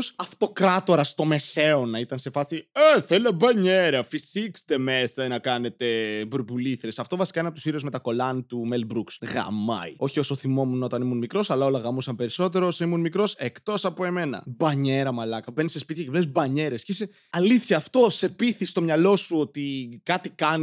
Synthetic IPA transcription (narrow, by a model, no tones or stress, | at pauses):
osɐft̪o̞kɾɐt̪o̞ɾɐst̪o̞me̞se̞o̞nɐit̪ɐnse̞fɐsieθelebɐɲeɾɐfisikst̪e̞me̞sɐnɐkɐne̞t̪e̞bɾubuliθɾesɐft̪o̞vɐsikɐenɐpot̪usiɾuzme̞t̪ɐko̞lɐnt̪umelbɾuksɣɐ̰mɐ̰ḭo̞çio̞so̞θimo̞munɐot̪ɐnimunmikɾo̞sɐlɐo̞lɐɣɐmusɐmpe̞ɾiso̞t̪e̞ɾoosoimunmikɾo̞se̞kt̪o̞sɐpo̞e̞me̞nɐ̰bɐɲe̞ɾɐmɐlɐkɐvenisespit̪çievlezbɐɲe̞ɾe̞sceise | ɐliθçɐːft̪o̞se̞piθist̪o̞mɲɐlo̞suo̞t̪ikɐt̪ikɐn